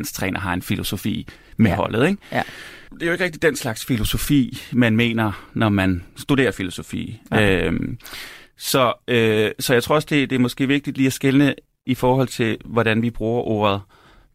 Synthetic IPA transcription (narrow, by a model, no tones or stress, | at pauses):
nst͡sʰʁɛ̰ːnʔɐɦɑ̈e̝nfilo̝so̝fḭːmeɦɒ̽lð̞̩ˠeŋ̥ | d̥e̝æjoeɡ̥əʁɛɡ̥d̥i̥d̥enslɑ̈ɡ̥sfilo̝so̝fḭːmænme̝̰ːnɐnɒmænsd̥ud̥e̝̰ːɐfilo̝so̝fḭːø | sɒ̽øsɒ̽jɑaɪt͡sʰʁo̝ɐɒsd̥e̝d̥e̝æɐmɒ̽sɡ̥e̝̰ːʋe̝ɡ̥̚d̥id̥liːæsɡ̥elnə | ifɒːhɒ̽l̰t͡sʰe̝lʋɒɾænʋib̥ʁuːɐʔo̝̰ːɐð̞̩ˠ